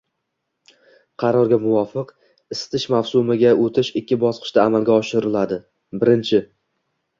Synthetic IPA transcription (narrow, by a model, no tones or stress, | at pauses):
qʰɑɾɒɾɡʲamʊwɒfɨq | ɪst̪ʰɪʃmawsʊmɪɡʲaʔot̪ʰɪʃɪkʲːɪbɒsqʰɨ̥ʃt̪aːmalɡʲaɒʃɪɾɪlad̪ɪ | bɪɾɪnt͡ʃʰɪ